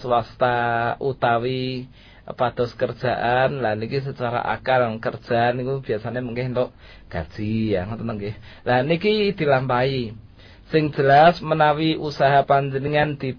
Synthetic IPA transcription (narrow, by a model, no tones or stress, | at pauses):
swast̪aut̪awi | pad̪̥ɔskərd̥ʒ̥a̤ʔanlanikis̬ət͡ʃaɾa̰ʔa̰kalkərd̥ʒ̥a̤nikub̥i̤asaneməŋkɛhnt̪ɔʔ | ɡ̥a̤d̥ʒ̥ijaŋt̪ənəŋɡɛh | lanikid̪̥i̤lampai | sɪŋ̥d͡ʒ̥ə̤lasmənawiʔusaɦapaɲd͡ʒəniŋand̪̥i